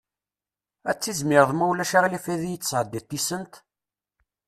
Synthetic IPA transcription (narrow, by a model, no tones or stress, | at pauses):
æt͡sːizmɪɾðˤmæwlæʃaʁlifæðijət͡sːsʕəd̪ːit̪ːisənt̪